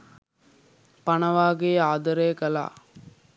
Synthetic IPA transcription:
panɐʋaːɡeːaːd̪ɐɾeːkəla̰ː

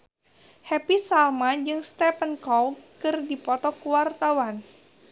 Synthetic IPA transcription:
hɛpisalmad͡ʒɨŋst̪ɛpənkɔlkɨrdipɔt̪ɔkuwart̪awan

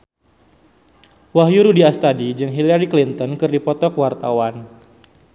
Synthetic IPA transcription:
waɦjuɾudiast̪adid͡ʒɨŋɦilaɾiklint̪ɔnkɨrdipɔt̪ɔkwart̪awan

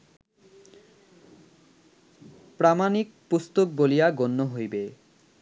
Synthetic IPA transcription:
pɾamanik̚pust̪ok̚bolijaɡonːoɦojbe

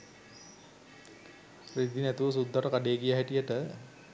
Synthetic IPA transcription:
rid̪inæt̪uʋəs̬ud̪ʱːaʈəkaɖeːɡijaɦɛʈijəʈə

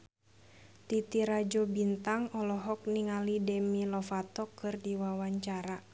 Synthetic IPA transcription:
t̪it̪iɾad͡ʒɔbint̪aŋɔlɔɦɔk̚niŋalidɛmilɔfat̪ɔkɨrdiwawaɲt͡ʃaɾa

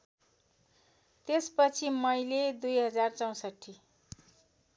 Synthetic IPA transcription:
t̪espʌt͡sʰimʌjled̪ujɦʌd͡zart͡sʌw̃sʌʈʰːi

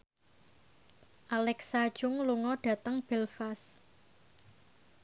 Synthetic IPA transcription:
ʔalɛksad̥ʒ̥ʊŋluŋɔɖ̥ä̤t̪əŋb̥ɛlfas

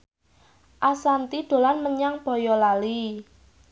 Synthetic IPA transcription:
ʔasant̪id̪̥o̤lanməɲaŋb̥ɔ̤jɔlali

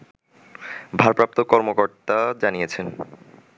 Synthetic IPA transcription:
bʱaɾpɾap̚t̪okɔɾmokoɾt̪ad͡ʑanijet͡ɕʰen

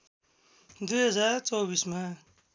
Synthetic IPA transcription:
d̪ujɦʌd͡zart͡sʌwbisma

